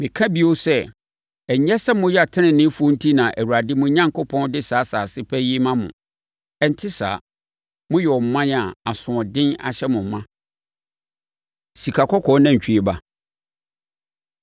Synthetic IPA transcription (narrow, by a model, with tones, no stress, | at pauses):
mɪ̃˨kʰã˦bi˦o˦sɛ˦ | ɛ˨˦ɲɛ˦sɛ˦mʊ̃˦jɛ˦a˨tʰɪ̃˦nɪ̃˨nːɪ̃˦fu˦o˦n̩˦tʰi˦nã˨ʔæ˨wu˨ɾa˨dɪ˦mʊ̃˦ɲã˦ŋko˦pʰɔ̃˦n˦dɪ˦saː˨˦saː˨sɪ˦pʰɛ˦ji˦mã˦mʊ̰̃˨ | ɛ˨n˦tʰɪ˦sa̰ː˨ | mʊ̃˦jɛ˨ɔ˨m̩˨mã˦n˨a˨a˨sʊ̃˨ɔ̃˨dɪ̃˦na̰˨ɕɛ˦mʊ̃˨m˨mã˦ | si˨kʰa˨kʰɔ˦kʰɔ˨˦nã˦ɲ̩˨t͡ɕʰᶣi˦e˨ba˦